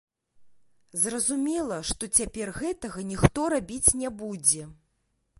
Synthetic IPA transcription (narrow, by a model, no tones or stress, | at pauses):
zrɐzumʲɛlˠɐʂt̪ɔt͡sʲapʲɛrɣɛt̪ɐɣɐnʲixt̪ɔɾabʲit͡sʲnʲɛbud͡zʲɛ